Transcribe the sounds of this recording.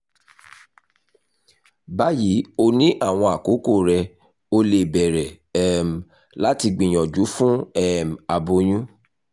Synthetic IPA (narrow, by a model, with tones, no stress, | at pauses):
ba˦ji˨˦o˧nĩ˦ʔa˦˨w̃ɔ̃˧a˨ko˨˦ko˦˨ɾɛ˧ | o˧le˧˨bɛ˨ɾɛ˨ | ɛ˦m̩˨ | la˦ti˧ɡ͡bĩ˨j̃ɔ̃˨d͡ʒu˨˦fũ˦ɛ˦˨m˨a˨bo˧j̃ũ˦